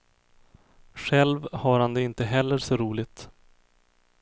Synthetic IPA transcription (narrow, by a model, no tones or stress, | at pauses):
ɧɛlvhaɾhand̪ɛɪnt̪əɦɛlːəɾʂɔɾuːlɪt̪